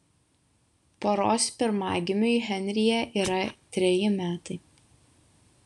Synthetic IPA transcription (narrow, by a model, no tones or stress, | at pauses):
poːɾoːspʲɪɾmɑːɡʲɪmʲʊiɦʲɛnʲɾʲɪjɛʔiːɾɐt̪ʲɾʲɛjɪmʲæːt̪ɐɪ